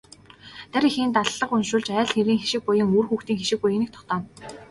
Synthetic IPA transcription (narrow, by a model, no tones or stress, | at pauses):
t̪æɾixiːnt̪aɮːə̆qʊnʃʊ̆ːɮt͡ɕæːɮxeɾiːŋxeʃɪ̆k̚pʊjɪ̆ŋuːrxuːxt̪iːŋxeʃɪ̆k̚pujɘ̆nĭk̚t̪ʰɔ̥χt̪ɔːn